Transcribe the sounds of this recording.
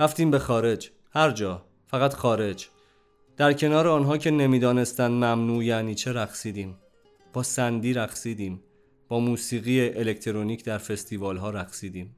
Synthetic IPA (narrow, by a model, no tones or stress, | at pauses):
ɾæft̪iːmbe̞xɒːɾe̞d͡ʒ | hæɾd͡ʒɒː | fæɣæt̪xɒːɾe̞d͡ʒ | d̪̥æɾcʰe̞nɒːɾeɒːnɦɒːcʰe̞ne̞miːd̪ɒːne̞st̪ænd̪mæmnuːjæniːt͡ʃʰe̞ɾæxsiːd̪iːm | b̥ɒːsænd̪iːɾæxsiːd̪iːm | b̥ɒːmuːsiːɣiːeʔelect̪ʰeɾoniːcʰd̪æɾfe̞st̪ʰiːvɒːlɦɒːɾæxsiːd̪iːm